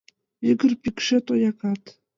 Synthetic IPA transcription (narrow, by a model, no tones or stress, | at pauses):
iɡə̆rpʲikʃet̪ojɑkɑt̪